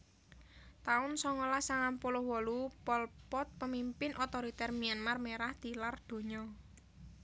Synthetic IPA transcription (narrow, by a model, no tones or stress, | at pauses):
t̪aʊnsɔŋɔlasaŋampolɔhwɔlupɔlpɔt̪̚pəmimpɪnʔɔt̪ɔɾit̪ɛrmianmarmeɾahd̪̥i̤lard̪̥o̤ɲɔ